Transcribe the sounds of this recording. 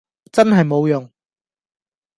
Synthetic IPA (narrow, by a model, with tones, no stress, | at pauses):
t͡sɐ˥nɦɐ˨jmo˨˧wjʊ˨˩ŋ